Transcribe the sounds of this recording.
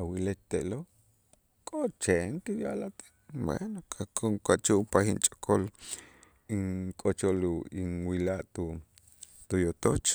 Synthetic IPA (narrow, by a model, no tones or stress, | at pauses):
awilet̪t̪eʔlo | kʼoʔt͡ʃeŋkejjalat̪e̥ʔwḛnokʰakʰoŋkat͡ʃuʔpahint͡ʃʼḁkʰol | iŋkʼot͡ʃoliŋwilaʔt̪u | t̪ujot̪ot͡ʃ